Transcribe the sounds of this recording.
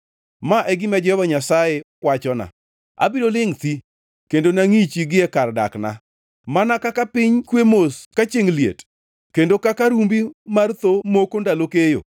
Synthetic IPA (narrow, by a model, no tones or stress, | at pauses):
maʔɛɡɪmɛd͡ʒɛhvaɲasajekwat͡ʃɔna̰ | a̰bidolɪŋt̪i | kendonaŋit͡ʃiɡɪɛkarda̰kna̰ | manakakapɪɲkwemoskat͡ʃeŋliḛt | kendokakaɾumbimart̪omokondalokejo̰